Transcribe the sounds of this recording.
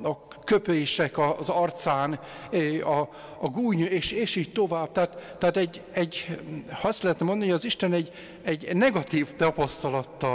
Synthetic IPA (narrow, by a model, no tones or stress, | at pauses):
ɒkøpøiʃɛkɒzɒrt̪saːn | ɒː | ɡuːɲeːʃeːʃiːct̪o̞vaːb̚t̪aat̪ːɛat̪ɛɟɛɟhɒɒst̪lɛɦɛt̪ɛmond̪ɒnihojɒziʃt̪ɛnɛɟ | ɛɟnɛɡɒt̪iːft̪ɒpɒst̪ɒlɒt̪ːɒ